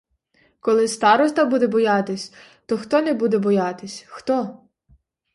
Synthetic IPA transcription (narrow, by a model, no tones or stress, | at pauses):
kɔlˠɪst̪ɑɾɔst̪ɐbud̪ɛbɔjɑt̪ɪsʲ | t̪ɔxt̪ɔnɛbud̪ɛbɔjɑt̪ɪsʲxt̪ɔ